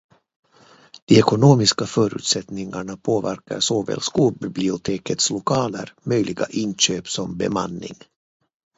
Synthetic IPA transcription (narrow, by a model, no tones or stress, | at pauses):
d̪̥ɪɛkʊnoːmɪskafœːɾʉ̟ːt̪sɛt̪nɪŋaɳapʰoːvæɾka̰ɾʂoːvɛ̰lskuːbɪblɪʊt̪ʰeːkət̪slʊkʰɑːlə̰ɾmœjlʔɪɡa̰ʔɪnɕøːpsɔmbɛ̰ma̰nːɪ̰ŋ